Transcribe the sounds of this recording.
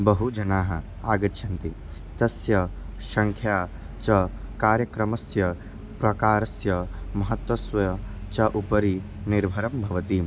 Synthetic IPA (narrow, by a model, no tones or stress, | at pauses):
bɐɦud͡ʒɐnaːɦɐ | aːɡɐɾʃʰɐnt̪i | t̪ɐsjɐ | ʃɐŋkʰjaː | t͡ʃɐkaːɾjɐkɾɐmɐsjɐ | pɾɐkaːɾɐsjɐmɐɦɐt̪wɐsʋɐ | t͡ʃɐʔupɐɾi | niɾbʱɐɾɐmbʱɐʋɐt̪iːm